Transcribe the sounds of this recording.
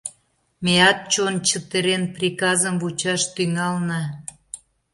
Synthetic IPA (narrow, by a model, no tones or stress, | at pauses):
meɑt̪̚t͡ɕont͡ɕət̪eɾenprikɑzəmvut͡ɕɑʃt̪yŋɑlnɑ